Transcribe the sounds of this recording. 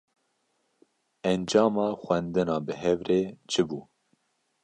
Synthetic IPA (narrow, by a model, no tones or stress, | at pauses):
ɛnd͡ʒɑːmɑːxʷɛnd̪ɨnɑːbɨɦɛvɾeːt͡ʃʰɨbuː